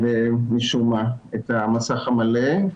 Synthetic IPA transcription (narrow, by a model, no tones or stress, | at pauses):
vemiʃumaet̪amasaχamale